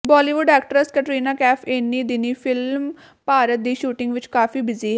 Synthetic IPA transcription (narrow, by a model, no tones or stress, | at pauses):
bɔːliːʋʊɖɛːkʈəɾskəʈɾiːnaːkɛːpʰenːiːd̪ɪniːpʰɪlm | paːɾət̪̚d̪iːʃuːʈɪŋɡʋɪt͡ʃkaːfiːbɪziːɛ